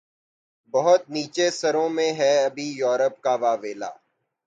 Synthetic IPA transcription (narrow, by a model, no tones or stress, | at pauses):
bɐɦʊt̪̚niːt͡ʃesɐɾõmẽɦɛɐbʱijɔːɾəp̚kaʋaːʋeːla̰ː